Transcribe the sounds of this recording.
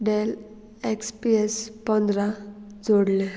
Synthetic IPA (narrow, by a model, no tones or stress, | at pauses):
ɖel | ekspiespɔnd̪ɾad͡zoɽle